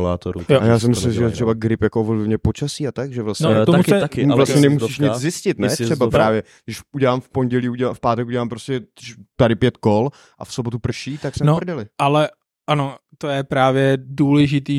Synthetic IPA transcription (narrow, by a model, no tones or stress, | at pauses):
la̰ːt̪oɾṵjoajjaːs̬ɪmɪsllɪmʒɛjɛt̪r̝̥ɛbaɡɾɪpjakovlvɲɛpo̞t͡ʃasiːat̪akʒɛvlastnɲɛt̪omɛakɪvlasɲɛnɛmusiːʃɲɪt͡szɪscɪt̪nɛt̪sɛbapɾaːvjɛ | ɡdɪʃʔuɟɛlaːmfpo̞nɟɛliːuɟɛlaːmfpaːt̪ɛkuɟɛlaːmpɾoscɛt̪adɪpjɛt̪ko̞l | ʔa̰fso̞bot̪upr̩ʃiːt̪aksmɛnovr̩dɛlɪʔalɛ | ʔanot̪ojɛpɾaːvjɛduːlɛʒɪt̪iː